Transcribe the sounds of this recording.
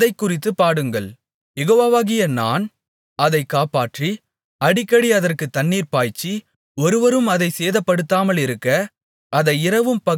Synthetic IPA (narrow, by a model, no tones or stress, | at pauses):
ðɐɪkːʊrɪt̪̬ːɯpːaːɽɯŋɡɐɭ | jɛɣoːʋaːʋaːɣɪjɐna̰ːn | ɐðɐɪkːaːpaːʈri | ɐɽɪkːɐɽiɐðɐrkɯt̪ːɐɳːiːɾpaːjt͡ʃːi | ɔɾɯʋɐɾɯmɐðɐɪseːðɐpːɐɽɯt̪ːaːmɐlɪɾɯkːɐ | ɐðɐɪɪɾɐʋɯmpɐ